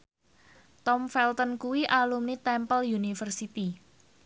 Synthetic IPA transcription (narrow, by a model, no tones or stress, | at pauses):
t̪ɔmfɛlt̪ənkuwiʔalumnit̪ɛmpəljunifərsit̪i